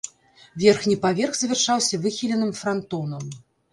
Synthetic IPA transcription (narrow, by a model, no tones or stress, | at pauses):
vʲɛrxnʲipavʲɛrxzvʲɛrʂawsʲɐvɨxʲilʲɛnɨmfɾant̪ɔnɐm